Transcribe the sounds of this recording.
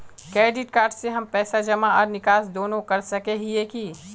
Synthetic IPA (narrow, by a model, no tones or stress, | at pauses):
kɾeːɖɪʈkaːɾɖseɦɐmpɛːsad͡ʒɐmaɔːɾnɪkaːsd̪oːnõkɐɾsɐkeɦieki